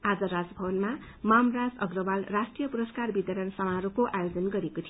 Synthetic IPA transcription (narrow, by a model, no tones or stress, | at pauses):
ad͡zʌɾad͡zbʱʌbʌnma | mamrad͡zʌɡrʌbalrasʈrijʌpuɾʌskarbit̪ʌɾʌnsʌmaɦʌɾukoʔajod͡zʌnɡʌɾekot̪ʰi